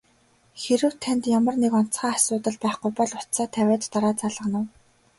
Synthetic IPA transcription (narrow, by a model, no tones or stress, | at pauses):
xeɾɘ̆wt̪ʰænt̪jamə̆rnekɔn̥t͡sχaːasʊːt̪ə̆ɮpæːχɡujpɔɮʊt̪saːt̪ʰæwʲæːt̪t̪ːaɾaːt͡saɮʁə̆nə̆w